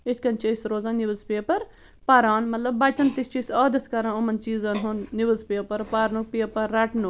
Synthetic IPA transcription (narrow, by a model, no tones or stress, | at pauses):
et̪ʰkɐnt͡ʃʰiisɾoːzaːnibɨzpeɐpɐɾ | pɐɾaːnmɐt̪lɐbːɐt͡ʃɐnt̪ist͡ʃʰisaːd̪ɐt̪ʰkɐɾɐ̃nomɐnt͡ʃiːzɐnɦunnibɨzpijɐpɐɾpaɾnupijɐpɐɾːɐʈnu